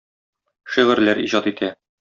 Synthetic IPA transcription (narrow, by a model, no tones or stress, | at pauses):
ʃiʁɘ̆ɾlæɾiʑɒt̪it̪ʰæ